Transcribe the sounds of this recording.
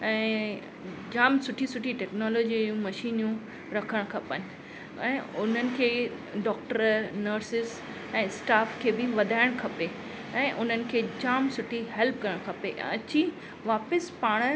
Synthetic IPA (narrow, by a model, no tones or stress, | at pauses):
ɛ̃ː | d͡ʑaːmsʊʈʰisʊʈʰiʈeːknɔːloːd͡ʑijũmɐʃiːnjũ | ɾɐkʰəɽ̃kʰɐpənɪ̆ | ɛ̃ːʊn̤ənɪ̆kʰeː | ɖɔːk̚ʈəɾnəɾsɪs | ɛ̃ːsʈaːfkʰeːbɪʋɐd̪ʱaːɪɽ̃kʰɐpe | ɛ̃ːʔʊn̤ənɪ̆kʰeːd͡ʑaːmsʊʈʰiɦɛlp̚kɐɾɪɽ̃kʰɐpeɐt͡ɕi | ʋaːpəspaːɽ̃